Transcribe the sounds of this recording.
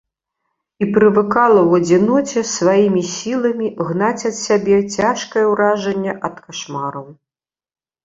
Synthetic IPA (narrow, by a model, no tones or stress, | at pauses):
ipɾɨvɨkalˠɐwɐd͡zʲinɔt͡sʲɛsvajimʲisʲilˠɐmʲiɣnat͡sʲɐt̪sʲabʲɛt͡sʲaʂkɐjɛwɾaʐɛnʲːɛʔɐt̪kʰaʂmaɾɐw